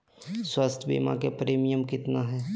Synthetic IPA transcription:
swəst̪ʰbḭːmã̰kepɾeːmijəmkɪt̪naɦɛː

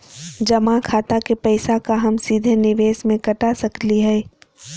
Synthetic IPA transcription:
d͡ʒɐmakʰaːt̪akepɛːɪsakaɦɐmsiːd̪ʱenɪʋeːsmẽkɐʈasɐkliɦɛː

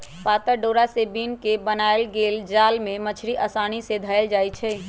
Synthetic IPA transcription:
pat̪əɾɖoɾasebinkebənaelɡeld͡ʒaːlmẽmət͡ʃʰɾiʔəsañised̪ʱəeld͡ʒaːjt͡ʃʰɛː

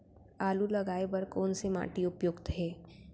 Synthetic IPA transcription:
aːlulɐɡaːebɐɾkoːnsema̰ːʈiʊpjoːɡt̪ɦɛː

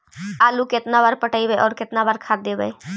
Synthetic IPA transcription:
aːlukɪt̪nabaɾpəʈəibəʔɔːɾkɪt̪nabaɾkʰaɾd̪ebəe

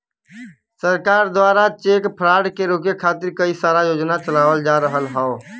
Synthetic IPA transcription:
səɾkaːɾd̪waːɾat͡ʃeːkpʰɾaːɽkeɾoːk̬ekʰaːt̪ɪɾkəisaːɾajoːd͡ʒnat͡ʃəlaːʋəld͡ʒaːɾəɦəlɦɛo

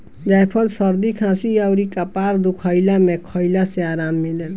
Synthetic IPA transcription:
d͡ʒajpʰəlsəɾd̪ikʰãsiaʊɾikapaːɾd̪ukʰəɪlamẽkʰəɪlaseaːɾaːmːilen

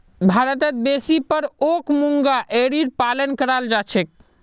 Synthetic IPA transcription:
bʱaɾət̪ət̪̚besipəɾokmuŋɡaʔeɾiɾpalənkəɾald͡ʒat͡ʃʰɛk̚

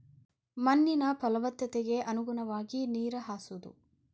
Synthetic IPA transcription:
mɐnːinɐpɐlɐʋɐt̪ːɐt̪eɡe̞ʔɐnuɡunɐʋaːɡiniːɾɐɦaːsud̪ṵ

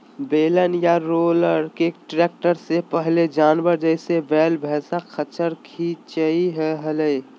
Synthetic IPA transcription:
beːlənjaɾoːləɾkeʈɾeːk̚ʈəɾsepəɦled͡ʒaːnbəɾd͡ʒəɪsebɛːlbʱɛːsakʰət͡ʃəɾkʰit͡ʃəiɦɛɦələi

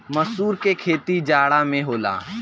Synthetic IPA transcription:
mɐsuːɾkekʰeːt̪id͡ʒaːɽamẽɦoːla̰ː

